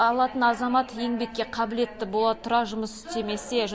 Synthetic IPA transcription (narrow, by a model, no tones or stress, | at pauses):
ɑlˠɑt̪ənɑzɑmɑt̪je̞ŋbe̞kʲːe̞qʰɑbɪle̞t̪ːɪbo̞lˠɑt̪ʰʊɾɑʒʊməsʏ̥t̪eme̞seʒ